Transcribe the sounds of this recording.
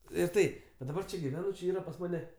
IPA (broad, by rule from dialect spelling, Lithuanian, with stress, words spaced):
ɪr ˈtɐɪ ʋɐ dɐˈbɐr t͡ʃʲɛ ɡʲɪˈʋʲæːnʊ t͡ʃʲɛ ˈiːrɐ pɐs ˈmɑːnʲɛ